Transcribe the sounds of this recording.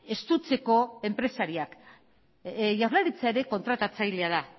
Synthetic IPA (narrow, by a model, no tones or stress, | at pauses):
e̞st̪ut͡se̞ko̞e̞mpɾe̞saɾiak | ʝaɾlaɾit͡saeɾe̞ko̞nt̪ɾat̪at͡sajle̞að̞a